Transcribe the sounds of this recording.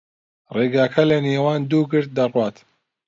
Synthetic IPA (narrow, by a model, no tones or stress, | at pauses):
reːɡaːkʰɐlɐneːwaːnd̪uːɡɨɾt̪̚d̪ɐrwɑːt̪